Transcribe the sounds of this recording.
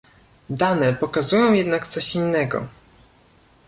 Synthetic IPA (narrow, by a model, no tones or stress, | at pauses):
d̪anɛpɔkazujɔ̃w̃jɛd̪nakt̪sɔɕinːɛɡɔ̰